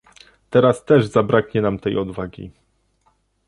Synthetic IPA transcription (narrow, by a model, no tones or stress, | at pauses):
t̪ɛɾast̪ɛʐzabɾakɲɛnamt̪ɛjɔd̪vaɡʲḭ